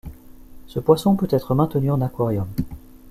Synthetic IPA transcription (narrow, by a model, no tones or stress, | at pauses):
səpwasɔ̃pøt̪ɛt̪χəmɛ̃t̪ənyɑ̃nakwaʁjɔm